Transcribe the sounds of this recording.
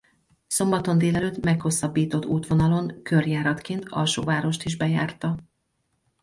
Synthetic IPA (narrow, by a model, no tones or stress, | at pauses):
so̞mbɒt̪o̞nd̪eːlɛløːt̪mɛkho̞sːɒbːiːt̪o̞t̪ːuːt̪ʋo̞nɒlo̞ŋkø̞rjaːɾɒt̪keːnt̪ɒ̰lʃo̰ːvaːɾo̞ʃt̪iʒbɛjaːrt̪ɒ